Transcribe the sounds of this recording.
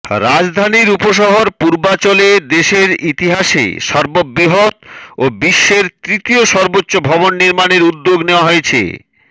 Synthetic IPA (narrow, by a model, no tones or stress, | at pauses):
ɾad͡ʑd̪ʱaniɾupoʃɔɦoɾpuɾbat͡ɕoled̪eʃeɾit̪iɦaʃḛʃɔɾbobiɦot̪obiʃːeɾt̪ɾit̪ioʃɔɾbotːɕːobʱɔbonːiɾmaneɾud̪ːoɡneoaɦojet͡ɕʰḛ